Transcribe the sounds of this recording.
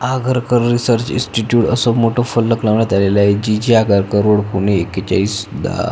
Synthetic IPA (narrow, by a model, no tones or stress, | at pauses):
aɡʱəɾkəɾːisəɾt͡ɕḭnsʈiʈjuːʈəsomoʈʰofəlːəklaʋnat̪alelaed͡ʑid͡ʑiaɡʱəɾkəɾoɽpuneːket͡ɕa̰iːsud̪ʱːa̰